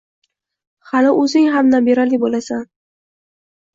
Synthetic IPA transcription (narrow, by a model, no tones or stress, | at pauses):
halɪʔɵzɪŋɦamnambeɾalɪbolasan